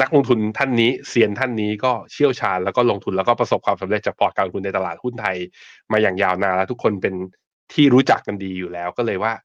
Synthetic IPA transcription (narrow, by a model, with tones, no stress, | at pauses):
na˦˥k̚lo˧ŋt̪ʰu˧nt̪ʰa˥˩nːiː˦˥si˧˩ənt̪ʰa˥˩nːiː˦˥kɔː˥˩t͡ɕʰi˥˩əwt͡ɕʰaː˧nlɛː˦˥wkɔː˥˩lo˧ŋt̪ʰu˧nlɛ˦˥kɔː˥˩pɾa˧so˨˩p̚kwaː˧msa˨˦mɾe˨˩t̪̚t͡ɕaː˨˩pʰɔː˨˩t̪̚a˧lo˧ŋt̪ʰu˧na˧jt̪a˧laː˨˩t̪̚hu˥˩nt̪ʰa˧jmaː˧jaː˨˩ŋjaː˧wnaː˧lɛː˦˥t̪u˦˥kʰːo˧npe˧n | t̪ʰiː˥˩ɾuː˦˥t͡ɕa˨˩kːa˧ndiː˧juː˨˩lɛː˦˥wkɔː˥˩lɤː˧jwaː˥˩